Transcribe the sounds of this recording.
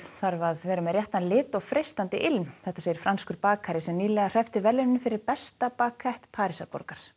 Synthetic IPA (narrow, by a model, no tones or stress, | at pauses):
θaɾvaðvɛːɾʏmɛɾjɛht̪anlɪːt̪ɔɣfɾejst̪ant̪ɪʔɪlmθɛht̪ːaseːjɪɾ̥fɾanskʏɾpaːkʰaɾɪsɛmniːlɛɣar̥ɛft̪ɪvɛlɪnɪnfɪɾɪɾpɛst̪apaːkʰajht̪pʰaːɾisapo̰ɾkaɾ̥